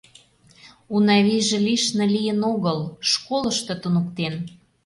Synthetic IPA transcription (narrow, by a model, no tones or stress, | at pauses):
unɑβiʒĕliʃnɤ̆lʲijənoɣəlʃkolə̆ʃt̪ɤ̆t̪unukt̪en